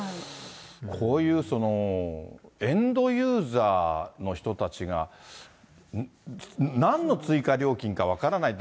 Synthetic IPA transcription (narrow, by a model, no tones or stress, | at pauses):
kʰo̞ːjɯ̟ːso̞no̞ | ẽ̞nd̪o̞jɯːzaːno̞çi̥t̪ot̪at͡ɕiɡa̰ | nãnːo̞t͡sɨikaɾʲo̞ːkʲĩŋkaβ̞akaɾanait̪